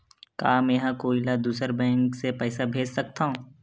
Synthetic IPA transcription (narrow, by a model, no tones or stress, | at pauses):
kaːmɛ̃ːɦãkoːilad̪uːsəɾbɛ̃ːŋksepɛːsabʱeːd͡ʒsɐk̚t̪aɦũ